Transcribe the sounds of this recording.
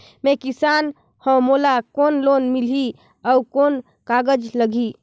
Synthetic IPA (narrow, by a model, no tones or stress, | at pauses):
mekisan | hə̃molakonlonmili | ɔukon | kaɡəd͡ʒləɡʱi